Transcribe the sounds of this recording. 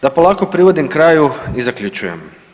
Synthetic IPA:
d̪̥apolˠaːko̞pɾiʋod̪imkɾaːjuizakʎʲut͡ɕujḛm

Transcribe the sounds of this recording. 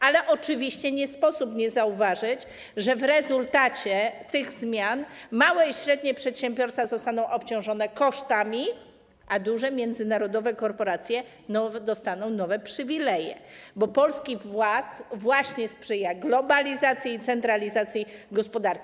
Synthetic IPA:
alɛʔɔt͡ʂɘvʲiɕt͡ɕɛɲɛspɔsupɲɛzauvaʐɘt͡ɕ | ʐɛvɾɛzult̪at͡ɕɛt̪ɘɣzmʲjanmawɛiɕɾɛd̪ɲɛpʂɛt̪ɕɛmbʲjɔɾsfazɔst̪anɔ̃w̃ʔɔpt͡ɕɔ̃w̃ʐɔn̪ɛkɔʂt̪amʲi | ʔad̪uʐɛmʲjɛnd̪zɘnaɾɔd̪ɔvɛkɔɾpɔɾat̪sʲjɛ | nɔd̪ɔst̪anɔ̃w̃nɔvɛpʂɘvʲilɛjɛ̰bɔpɔlskʲivwat̪vwaɕɲɛspʂɛjaɡlɔbalʲizat̪sʲjiːt̪sɛnt̪ɾalʲizat̪sʲjiɡɔspɔd̪aɾkʲi

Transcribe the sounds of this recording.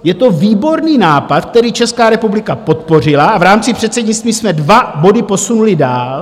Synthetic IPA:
jɛt̪o̞viːbo̞ɾniːnaːpat̪k̚t̪ɛɾiːt͡ʃɛskaːɾɛpublɪkapo̞t̪po̞r̝ɪlaavɾaːmt͡sɪpr̝̥ɛt̪sɛɟɲɪt͡st̪viːsmɛdvabo̞dɪpo̞sunulɪdaːl

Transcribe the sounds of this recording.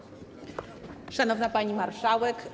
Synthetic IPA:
ʂanɔvnapaɲimaɾʂawɛk

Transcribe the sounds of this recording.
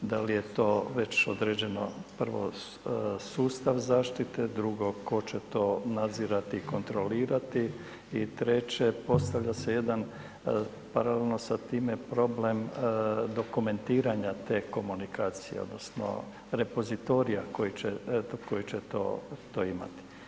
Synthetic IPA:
d̪alije̞t̪o̞ːʋe̞t͡ɕo̞̰d̪ɾed͡ʑe̞no̰pr̩ʋo̞̰ | suːst̪aʋzaːʃt̪it̪e̞d̪ɾuɡo̞ko̞t͡ɕe̞t̪o̞nad̪ziːɾat̪iːko̞nt̪ɾo̞liːɾat̪i | it̪ɾet͡ɕe̞po̞st̪aʋʎʲase̞je̞d̪an | paɾalelno̞sat̪iːmepɾo̞ble̞md̪o̞kume̞nt̪iːɾaɲat̪e̞ːko̞munikaːt̪sijḛod̪nosno̰ | ɾe̞po̞zit̪o̞ɾijako̞jit͡ɕeko̞jit͡ɕet̪o̰ːt̪oːima̰t̪i̥

